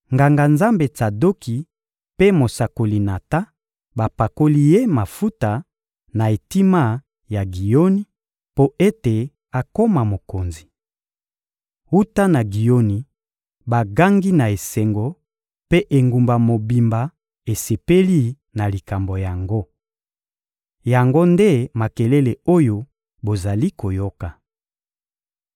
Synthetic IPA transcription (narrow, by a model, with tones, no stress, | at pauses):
ŋɡa˨ŋɡa˨nza˦mbe˨ta˨do˦ki˨ | pe˦mo˨sa˨ko˨li˨na˨ta˦ | ba˨pa˨ko˦li˦je˦ma˨fu˦ta˨ | na˨e˨ti˦ma˦˨ | ja˨ɡi˨jo˦ni˦ | po˦e˦te˨ | a˨ko˦ma˨mo˨ko˨nzi˨ | u˦ta˦na˨ɡi˨jo˦ni˨ | ba˨ɡa˦ŋɡi˦na˨e˨sɛ˨ŋɡo˨ | pe˦ʔe˨ŋɡu˨mba˨mo˨bi˨mba˨ | e˨se˨pe˦li˦ | na˨li˨ka˨mbo˨ja˨ŋɡo˦ | ja˨ŋɡo˦nde˦ma˨ke˨le˦le˨o˦jo˦ | bo˨za˨li˦ko˨jo˦ka˨